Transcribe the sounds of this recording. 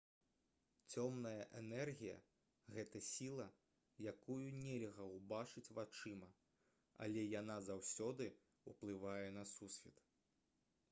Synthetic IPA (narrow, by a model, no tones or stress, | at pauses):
t͡sʲɔmnɐjɐʔɛnɛrɣʲijɐ̰ | ɣɛt̪ɐsʲilˠɐ | jakujunʲɛlʲɣɐwbat͡ʂɨt͡sʲvat͡ʂɨmɐ | ɐ̰lʲɛjanazawsʲɔd̪ɨ | uplˠɨvajɛnɐsusʲfʲɛt̪